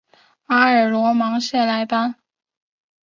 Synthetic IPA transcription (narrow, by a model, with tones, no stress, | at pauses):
a˥ə˞˨˩lwɔ˧˥mɑ˧˥ŋɕjɛ˥˩la˧˥ɪpa˥n